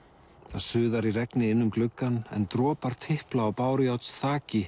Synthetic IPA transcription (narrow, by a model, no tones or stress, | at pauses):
θaðsʏːðaɾirɛknɪɪnːʏmklʏkːanɛ̰nt̪ɾɔːpaɾ̥t̪ʰɪhplaːwpaːwɾɪjawt̪sθaːcɪ